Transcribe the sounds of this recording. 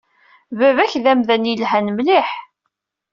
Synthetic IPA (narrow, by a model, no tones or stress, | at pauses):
vævæçðæmðænjəlɦænmliħ